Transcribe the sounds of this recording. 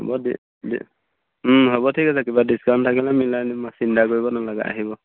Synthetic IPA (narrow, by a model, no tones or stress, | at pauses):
ɦɔ̰bɔdi | d | ɦɔbɔtʰikasakibadiskantʰakilamilanmasindakoɹibɔnalaɡa̰ʔa̰ɦibɔ